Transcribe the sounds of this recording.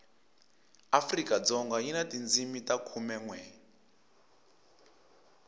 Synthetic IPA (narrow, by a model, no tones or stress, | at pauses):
afrikad͡zɔŋɡainatind͡zimitakʰumɛŋwɛ